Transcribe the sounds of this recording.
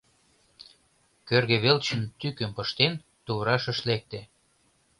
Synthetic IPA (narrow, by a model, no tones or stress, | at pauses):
kørɣĕβelt͡ɕə̆nt̪ykəmpɤ̆ʃt̪en | t̪uβɾɑʃə̆ʃlek̚t̪e